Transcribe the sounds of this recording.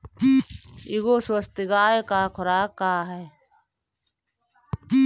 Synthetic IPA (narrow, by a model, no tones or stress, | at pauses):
iːɪɡoːswəst̪ɪɡaːekaːkʰʊɾaːkːaːɦɛː